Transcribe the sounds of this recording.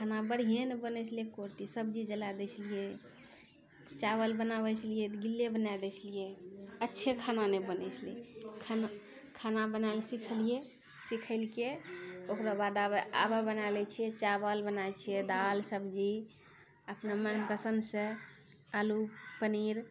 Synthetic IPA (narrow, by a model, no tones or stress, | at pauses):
kʰanabəɽ̤iɦenebənɛt͡ʃʰliekoɾt̪isəbd͡ʒid͡ʒəlad̪ɛt͡ʃʰlije | t͡ʃaβəlbənaβət͡ʃʰlijet̪ɡilːebənad̪ɛt͡ʃʰlijeətːʃʰekʰananebənɛt͡ʃʰlekʰana | kʰanabənalsikʰəlije | sikʰəɪlkeokɾabad̪aa̰babənalɛt͡ʃʰiɛt͡ʃaβəlbənajt͡ʃʰijed̪alsəbd͡ʒi | əpnamənpɾəsənsẽ | alupəniɾ